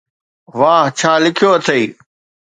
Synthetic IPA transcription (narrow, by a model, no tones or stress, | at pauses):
ʋaːɦt͡ɕʰaːlɪkʰjoːɐt̪ʰeiː